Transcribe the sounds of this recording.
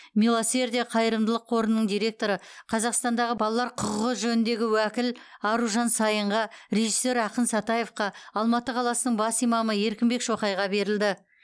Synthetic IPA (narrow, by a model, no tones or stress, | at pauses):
mʲilˠose̞rd̪ijɑqʰɑjəɾəmd̪əlˠəqʰo̞ɾənːəɴd̪ijɾe̞k̚t̪o̞ɾəqʰɑzɑqst̪ɑnd̪ɑʁəbɑlˠɑlˠɑɾqʰʊqʊʁəʒɵnɪnd̪e̞ɡʲɪwækʲɪlɑɾuʒɑnsɑjəɴʁɑɾe̞ʒisːe̞ɾɑqənsɑt̪ɑje̞fqɑɑlˠmɑt̪əqʰɑlˠɑsənəɴbɑsijmɑməje̞ɾkʲɪmbe̞kʃo̞qɑjʁɑbe̞ɾɪld̪ɪ